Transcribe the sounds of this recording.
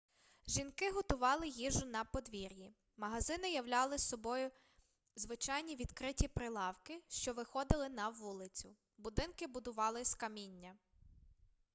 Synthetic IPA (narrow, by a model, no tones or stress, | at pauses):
ʒinkɪɦɔt̪ʊʋɑlˠɪjiʒʊnɐpɔd̪ʋʲiɾʲji | mɐɦɐzɪnɪjɐwlʲɑlˠɪsɔbɔjʊ | zʋɪt͡ʃɑjnʲiʋʲid̪kɾɪtʲipɾɪlˠɑwkɪʃt͡ʃɔʋɪxɔd̪ɪlˠɪnɐʋulˠɪt͡sʲʊ̰ | bʊd̪ɪnkɪbʊd̪ʊʋɑlˠɪskɐmʲinʲːɐ